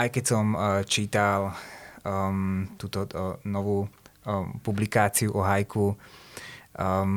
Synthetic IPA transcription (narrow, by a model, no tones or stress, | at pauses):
ʔajkɛcsɔmt͡ʃiːt̪al | t̪uːt̪ɔnɔʋuː | publikaːt͡siuʔɔɦajkʰu